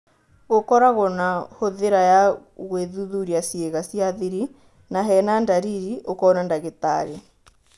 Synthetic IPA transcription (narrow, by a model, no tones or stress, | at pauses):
ɣokɔɾaɣɔnahoðeɾajaɣweðuðuɾiasjeɣasjaðiɾi | naɦɛːnandaɾiɾiʔokɔːnandaɣet̪a̰ɾe